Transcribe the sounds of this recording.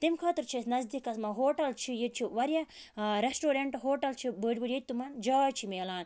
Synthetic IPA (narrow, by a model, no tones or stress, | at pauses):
t̪imkʰaːt̪iɾt͡ʃʰisnɐzd̪ikɐsmɐɦoːʈɐlt͡ʃʰijet͡ʃʰiʋɐɾjaɾesʈoːɾeɳʈɦoːʈɐlt͡ʃʰibəːɖʲbɨɾjet̪̚ʲt̪umɐnd͡ʒaːjt͡ʃʰimeːlaːn